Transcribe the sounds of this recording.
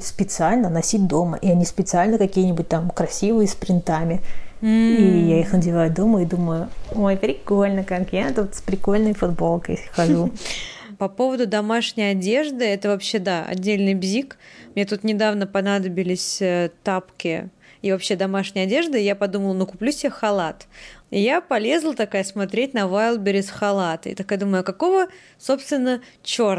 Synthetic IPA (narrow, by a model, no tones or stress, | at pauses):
spʲɪt̪sɨalʲnənɐsʲit̚ʲd̪o̞mə̰ʔiɐnʲispʲɪt̪sɨalʲnəkɐkʲijənʲɪbʊt̚ʲt̪amkɾɐsʲivɨjəspɾʲɪnt̪amʲɪm̩ijaixnədʲɪvajʊd̪o̞məjʊid̪uməjʊojpɾʲɪko̞lʲnəkakjaɛt̪ət̪spɾʲɪko̞lʲnəjfʊd̪bo̞lˠkəjxɐʐu | pɐpo̞vəd̪ʊd̪ɐmaʂnʲɪjɐdʲe̞ʐd̪ɨɛt̪əvɐpɕːe̞d̪aɐ̰dʲːelʲnɨjbzʲikmnʲet̪̬ut̪nʲɪd̪avnəpɐnad̪əbʲɪlʲɪsʲət̪apkʲɪ | ivɐpɕːe̞d̪ɐmaʂnʲɪjɐdʲe̞ʐd̪ɨjapɐd̪uməlˠənukʊplʲusʲɪxɐlˠat̪ɪjapɐlʲe̞zlˠət̪ɐkajəsmɐt̪ɾʲet̚ʲnɐvajlˠbʲɪɾʲɪsxɐlˠat̪ɪ̰t̪akjad̪uməjʊkɐko̞və | so̞pst̪ʲvʲɪnːət͡ɕo̞r